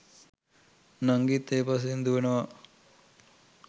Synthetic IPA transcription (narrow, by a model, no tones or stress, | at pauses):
naŋɡit̪ːeːpas̬end̪uʋenəʋɐ